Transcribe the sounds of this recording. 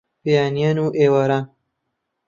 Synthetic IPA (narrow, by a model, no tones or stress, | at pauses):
pijaːnijanuʔewaɾaːn